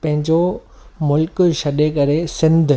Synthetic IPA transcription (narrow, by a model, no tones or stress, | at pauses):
pɐ̃ɦɪ̃ɲd͡ʑomʊlkʃɐɗekɐɾesɪ̃nd̪ʱ